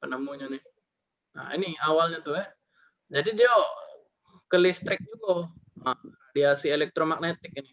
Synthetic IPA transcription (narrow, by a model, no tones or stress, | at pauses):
pənəmuɲanɪ | na̰ḭniawalɲat̪uɛ | d͡ʒadidia | kəlist̪ɾɪk̚d͡ʒuɡoaradiasielɛk̚t̪ɾomak̚net̪ɪk̚inɪ